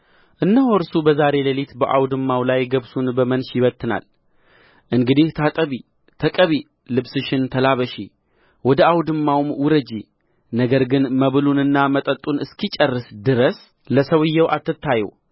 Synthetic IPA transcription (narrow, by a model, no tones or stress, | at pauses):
ʔɨnːəhoɾsubəzaɾe̞ləlit̪bəʔawd̪ɨmːawlajɡəβsunbəmənʃjɪβət̪ʰːɨna̰l | ʔɨŋɡɨd̪iht̪ʰat̪ʼəβi | t̪ʰəkʼəβi | lɨβsɨʃɪnt̪ʰəlaβəʃi | wɔd̪əawd̪ɨmːawmwʊɾəd͡ʒi | nəɡəɾɡɨnməβɨlunɨnːamət̪ʼət̪ʼːunɨskʰit͡ʃʼərːɨsd̪ɨɾəs | ləsəwɨjːɛwʔat̪ːɨt̪ʰːajɛ̰w